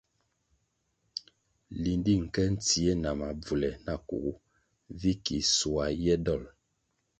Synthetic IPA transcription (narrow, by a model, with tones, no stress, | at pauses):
li˨ndi˦˨ŋ̩˨kɛ˦n̩˦ti˨ɛ˦na˨ma˨b͡vu˨lɛ˨na˦˨kṵ˨ʔu˦ | vi˦ki˨su˨a˨jɛ˦dɔ˦˨l